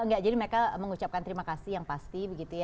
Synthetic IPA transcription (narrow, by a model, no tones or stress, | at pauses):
ŋɡaʔd͡ʒadiməɾekaməŋut͡ʃap̚kant̪əɾimakasijaŋpast̪ibəɡit̪uja